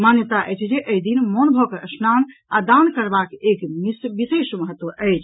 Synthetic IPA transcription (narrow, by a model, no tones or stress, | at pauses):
manjət̪aʔə̰jt͡ʃʰd͡ʒeʔəid̪inmonbʱokəsnanad̪ankəɾbakekmisbisesməɦət̪wəʔəjt͡ʃʰ